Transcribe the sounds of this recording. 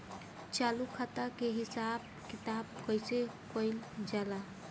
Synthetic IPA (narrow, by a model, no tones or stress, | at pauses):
t͡ʃalukʰat̪akeɦisab̚ | kit̪ab̚kəsekəjld͡ʒala